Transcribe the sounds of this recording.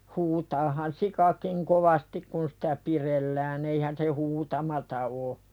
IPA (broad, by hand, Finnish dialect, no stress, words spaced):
huːtɑːhɑn sikɑkiŋ koʋɑstik kun sitæ pirelːæːn eihæn se huːtɑmɑtɑ o